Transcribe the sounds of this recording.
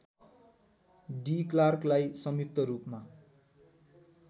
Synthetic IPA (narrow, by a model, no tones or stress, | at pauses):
ɖiklarklajsʌmjuk̚t̪ʌɾupma